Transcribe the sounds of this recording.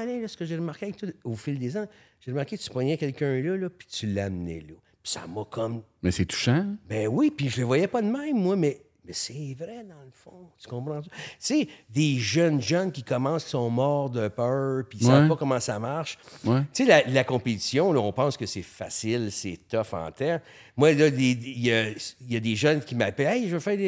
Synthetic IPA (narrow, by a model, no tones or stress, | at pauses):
alɛlɔsəkəʒeʁəmaʁkʲeavɛk̚t̪waofɪld̪ezã | ʒ̥eʁəmaʁkʲekət̪t͡sy̥pɔɲɛkʲɛlkʲœ̃lɔlɔpi̥tt͡s̪ylːamnɛ̰lɔ | pi̥sa̰mɔkʰɔm | mɛsɛt̪u̥ʃãbɛ̃wipiʒələvwajɛpɔd̪əmɛ̃ɪ̃mːwamɛ | mɛsɛvʁɛd̪ɑ̃lfɔ̃t̪y̥kɔ̃pɾɑ̃t̪yt͡sed̪eʒœnʒœnkʲikɔmɑ̃ssɔ̃mɔːʁd̪əpœːpisavpɔkɔmɑ̃samaʁʃwɛt͡selalakɔ̃pet̪i̥sjɔ̃lɔɔ̃pɑ̃skəsɛfasɪlsɛt̪ɔfɑ̰̃ːt̪ɛʁ | mwalʌd̪ed̪jəjad̪eʒœnkʲimaplɛɛjʒəvøfɛːʁd̪